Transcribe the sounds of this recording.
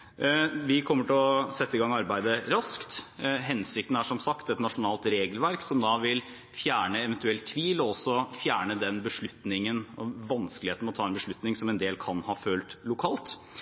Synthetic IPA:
ʋɪkʰɔmːəʈʰɪɔsɛt̪ːəɪɡɑŋɑɾbæɪd̪əɾɑskt̪ɦɛnsɪk̚t̪n̩æʂɔmsɑkt̪ɛt̪nɑʂʊnɑːlt̪ɾeːɡəlʋæɾksɔmd̪ɑʋɪl | fjæːɳəɛʋɛnt̪ʉɛlt̪ʰːʋiːlɔɔsːɔfjæːɳəd̪ɛnbəʂɭʉt̪nɪŋənɔʋɑnsklɪeːt̪nɔt̪ʰɑːɛnbəʂɭʉt̪nɪŋsɔmɛnd̪eːlkʰɑnhɑːfølt̪lʊkʰɑːlt̪

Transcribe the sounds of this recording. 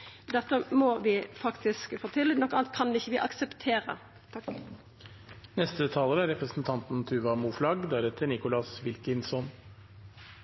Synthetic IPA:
d̪ɛt̪ːəmɔʋɪfɑkt̪ɪskfoːt̪ʰɪlɪnɔkəɑnt̪̚kʰɑnɪçːəʋɪʔɑksəpt̪ʰeːɾə̰ | nɛst̪ət̪ʰɑːləɾæɾɛpɾəsn̩t̪ʰɑnt̪n̩t̪ʰʉːʋɑmuːflɑɡd̪æɾɛt̪ʰːəɳɪkʊlɑsʋɪlkənsɔn

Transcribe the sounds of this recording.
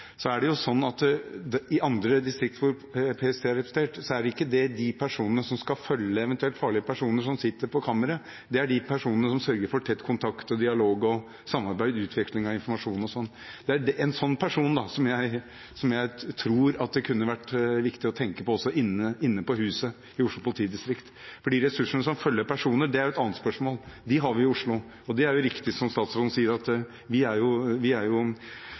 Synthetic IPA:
sɔæɖɛjʊsɔnːɑt̪ | ɪʔɑnd̪ɾəd̪ɪst̪ɾɪkt̪ʋʊɾ | pʰeːɛst̪ʰeːɾɛpsnt̪eːʈsɔæɖɪkːəd̪ɛd̪ɪpʰæʂuːnənəsɔmskɑfœlːəɛʋɛnt̪ʉɛlt̪fɑːɭɪəpæʂuːnəʂɔmsɪt̪ːəɾpʰɔkʰɑːməɾə | d̪ɛæɖɪpʰæʂuːnənəsɔmsœɾɡəɾfɔʈ̪ʰɛt̪ːkʰʊnt̪ʰɑkt̪ɔd̪ɪɑloːɡɔ | sɑmːɑɾbæɪd̪ʉːt̪ʰʋɛklɪŋɑɪnfɔɾmɑʂuːnɔsɔnː | d̪̥ɛæɖɛʔɛnsɔnːpʰæʂuːnd̪ɑsɔmjæɪ | sɔmjæɪt̪ʰɾuːɾɑt̪̚d̪ɛkʰʉnːəʋæʈːʋɪkt̪ɪɔt̪ʰɛŋkəpɔɔsːɔʔɪnəɪnːəpɔhʉːsə | ɪʊʂlʊpʰʊlɪt̪ʰiːd̪ɪst̪ɾɪkt̪fɔɖiːɾɛsʉʂəɳəsɔmfœlːəpʰæʂuːnəɖ̪ɛæɾjʊɛt̪ɑːnət̪spœʂmoːld̪ɪɦɑɾʋɪɪʊʂɭʊ | ɔd̪ɛæɾjʊɾɪkt̪ɪsɔmst̪ɑːt̪sɾɔd̪n̩siːəɾɑt̪ | ʋɪæɾjʊʋɪæɾjʊ

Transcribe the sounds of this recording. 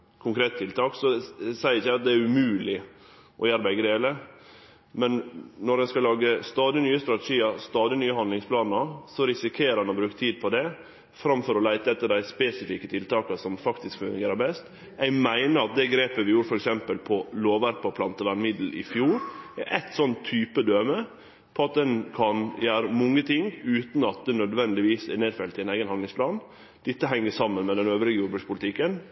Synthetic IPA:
kʰʊŋkʰɾeːt̪t̪ʰːɪlt̪ɑːksɔsæɪɾɪçːæɪɑt̪̚d̪ɛæɾʉmʉːlɪ | ʔɔjɑɾbɛɪɡəd̪eːlə | mɛnnɔɾɛnskɑlɑːɡəst̪ɑːd̪ɪnyːəst̪ɾɑt̪ɛʃiːɑst̪ɑːd̪ɪnyːəhɑnd̪lɪŋspʰlɑːnəsɔɾɪsɪkʰeːɾəɾɑnɔbɾʉːkə̥t̪ʰiːd̪̚pʰɔd̪ɛ | fɾɑmfɔɾɔlæɪt̪əɛt̪ːəɖ̪æɪspesɪfikət̪ʰɪlt̪ʰɑːkɑsɔmfɑkt̪ɪskfʉnɡeːɾəbɛst̪ | æɪmæɪnəɾɑt̪̚d̪ɛɡɾeːpəʋɪjuːɾfɔɾɛksɛmpəlpʰɔloːʋæɾpəɔpʰlɑnt̪əʋæɳmɪd̪l̩ʔɪ̰fjuːɾʔɛt̪sɔnt̪ʰːyːpəd̪øːmə | pʰɔɑt̪̚d̪ɛnkʰɑnjæːɾəmɔŋːət̪ʰɪŋʉːt̪n̩ɑt̪̚d̪ɛnœd̪ʋɛnd̪ɪʋiːsɛneːd̪fɛlt̪ɪɛneɪɡənhɑnlɪŋspʰlɑːn | d̪̥ɪt̪ːəɦɛŋːəʂɑmːənmɛd̪ɛnøːʋɾɪɡəjuːɾbʉːspʰʊlt̪ʰɪkːən

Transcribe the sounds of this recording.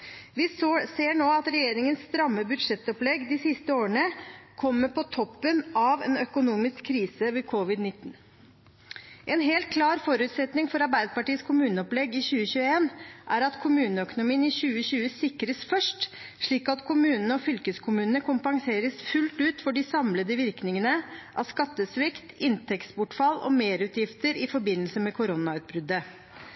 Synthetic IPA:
ʋɪsseːɳoːɑt̪ɾɛjeːɾɪŋənsːt̪ɾɑmːəbʉd̪ʂɛt̪ːɔplɛɡd̪ɪsɪst̪əoːəɳəkʰɔmːəɾpʰɔt̪ʰɔpːənɑʋɛnœkʊnuːmɪskʰːɾiːsəʋɛkʰɔʋɪd̪nɪt̪ːn̩ | ʔɛnɦeːlt̪̚kʰlɑːɾfɔɾʉːt̪sɛt̪nɪŋfɔɾɑɾbæɪd̪əpɑʈiːəskʰʊmʉːnəɔplɛɡːɪɕʉːəɕʉːəeːnʔæɾɑt̪kʰʊmʉːnəœkʊnʊmiːənɪçʉːəɕʉːəsɪkɾəsfœʂʈ | ʂɭiːkɑt̪kʰʊmʉːnənəɔfʏlkəskʰʊmʉːnənəkʰʊmpɑŋseːɾəsfʉlt̪ʉːt̪fɔɖɪsɑmləd̪əʋɪɾknɪŋənəʔɑ̰ʋskɑt̪ːəsʋɪkt̪ɪnt̪ʰɛkspʊʈfɑlɔ̰meːɾʉːt̪jɪft̪əɾɪfɔɾbɪnəlsəmɛkʰʊɾɔnɑʉːt̪̚bɾʏd̪ːə

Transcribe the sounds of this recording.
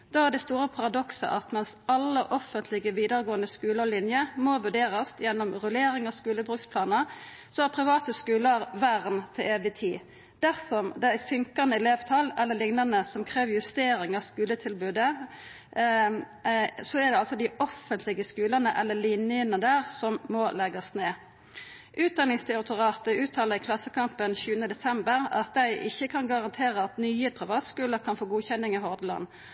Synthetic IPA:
d̪̥ɑːæɖ̪ɛst̪uːɾəpʰɑɾɑd̪ɔksə̰ʔɑt̪mɛnsɑlːəʔɔfənt̪ʰlɪɡəʋiːd̪əɾɡoːənəskʉːləʁlɪnjəmɔʋʉɖeːɾəst̪jɛnːɔmɾʉleːɾɪŋɑskʉːləbʁʉːkspʰlɑːnə | sɔæɾpʰɾɪʋɑːt̪əskʉːləɾʋæʁnt̪ʰɪleːʋɪt̪ʰiː | d̪̥æɾsɔmd̪ɛæsʏŋkɑnəɛleːʋt̪ʰɑlɛlːəlɪŋnɑnəsɔmkʰʁeːʋjʉst̪eːɾɪŋɑʋskʉːlət̪ʰɪlbʉːd̪ə | sɔæʁd̪ɛɑlsɔd̪ɪʔɔfənt̪ʰlɪɡəskʉːlɑnəʔɛlːəlinɪənəd̪æːʁsɔmmɔlɛɡɑsneː | ʔʉːt̪̚d̪ɑnɪŋst̪ʰɛʁɪt̪ʰʊʁɑːt̪əʉːt̪ʰɑːləɪkʰlɑsːəkʰɑmpənçʉːənəd̪ɛsɛmbəʁɑ̰t̪̚d̪æɪʔɪçːəkʰɑnɡɑʁɑnt̪ʰeːʁəɑt̪nyːəpʰʁɪʋɑːt̪skʉːləkʰɑnfoːɡuːçɛnːɪŋɪɦɔʁd̪əlɑ̰nː

